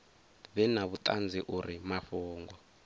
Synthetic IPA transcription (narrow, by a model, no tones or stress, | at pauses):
βɛnaβut̪ʼand͡ziʔuɾimaɸuːŋɡɔ